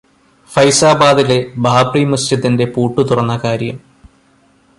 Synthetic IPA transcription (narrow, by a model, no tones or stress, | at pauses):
fɐjsaːbaːd̪ile̞bʱaːbrimɐstɐt̪ːinde̞puːʈːut̪urɐnːɐkaːɾjɐm